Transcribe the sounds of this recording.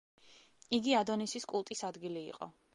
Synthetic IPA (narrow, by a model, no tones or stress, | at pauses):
iɡiad̪ɔnisiskʼulˠt̪ʼisad̪ɡilḭːqʼɔ̰